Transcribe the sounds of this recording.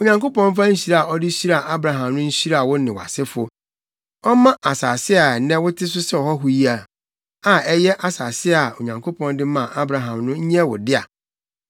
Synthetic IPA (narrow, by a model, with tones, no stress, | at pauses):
o˨ɲã˨ŋko˦pɔ̃˦n˦fã˦ɲ̩˦ɕi˦ɾa˨a˨ɔ˦dɪ˦ɕi˦ɾa˨ʔa˦bɾa˨ɦã˨mnʊ̃˦ɲ̩˦ɕi˦ɾa˨wʊ˦nɪ̃˨wa̰˨sɪ˦fʊ˦ | ɔ˦mã˦ʔa˨saː˨sɪ˦a˨nɛ̃˦wʊ˦tʰɪ˦s̬ʊ˦sɛ˦ɔ˨hɔ˦ɦʊ˦ji˦a˨ | a˨ɛ˦jɛ˦ʔa˨saː˨sɪ˦˨a˨o˨ɲã˨ŋkʰo˦pʰɔ̃˦n˦dɪ˦mã˨ʔa˦bɾa˨ɦã˨mnʊ̃˦ɲ̩˦ɲɛ̃˦wʊ˨dɪ˦a̰˨